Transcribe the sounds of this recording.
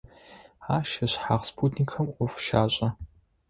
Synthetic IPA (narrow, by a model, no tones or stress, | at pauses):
aːʃɐɕħaːʁspʰuːtʰnikʰɐmɔfʃaːɕʼɐ